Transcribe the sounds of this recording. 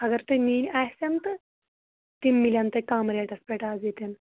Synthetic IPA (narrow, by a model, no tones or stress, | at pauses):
əɡəɾt̪emiːnʲajsant̪ə | t̪immːiljãnt̪əkamɾeʈəspɛʈaːd͡zet̪en